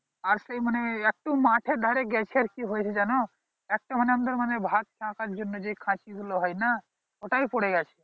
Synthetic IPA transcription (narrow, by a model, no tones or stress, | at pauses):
aɾsəiməneek̚ʈũmãːʈʰed̪ʱaɾeɡɛt͡ʃʰiəɾkiɦojt͡ʃʰed͡ʒano | ek̚ʈeməneɐ̃md̪əɾmənebʱat̪̚t͡ʃʰãkad͡ʒunːəd͡ʒoikʰãːt͡ʃizloɦɔjna | oʈaipoɽeɡat͡ʃʰe